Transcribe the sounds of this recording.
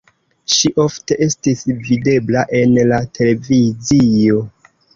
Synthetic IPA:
ʃiʔo̞fte̞ʔe̞stisvide̞blaʔe̞nlatʰe̞le̞vizio̞

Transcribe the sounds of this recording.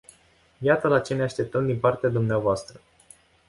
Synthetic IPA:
jat̪əlat͡ʃe̞neaʃt̪e̞p̚t̪əmd̪impart̪ead̪umneavoast̪ɾə

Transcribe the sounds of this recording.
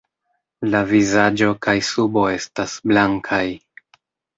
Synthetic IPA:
lavizad͡ʒo̞kajsubo̞e̞stasblaŋkʰaj

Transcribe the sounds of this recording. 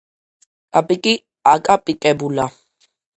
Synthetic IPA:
apʼikʼi | akʼapʼikʼɛbula

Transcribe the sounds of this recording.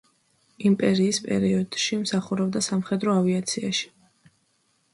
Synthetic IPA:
impʼɛɾiːspʼɛ̰ɾiɔd̪̥ʃimsaχuɾɛbd̪asamχɛd̪ɾɔaviat̪sʰia̰ʃi̥

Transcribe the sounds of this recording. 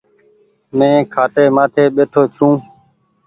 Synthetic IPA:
mẽːkʰaːʈeːmaːt̪ʰeːɓeːʈʰoːt͡ʃũː

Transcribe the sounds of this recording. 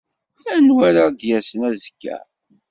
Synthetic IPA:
ænwæɾad̪jæsənæzə̥kːæ̰

